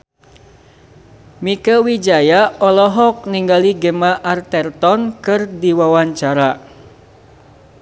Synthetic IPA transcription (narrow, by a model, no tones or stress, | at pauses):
mikəwid͡ʒajaɔlɔɦɔk̚niŋɡaliɡəmaʔːrt̪ɛrt̪ɔnkɨrdiwawaɲt͡ʃaɾa